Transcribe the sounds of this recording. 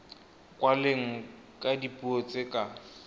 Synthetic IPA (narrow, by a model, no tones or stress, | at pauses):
kʼwaleŋ̩ | kʼadipʼuɔt͡sʼekʼa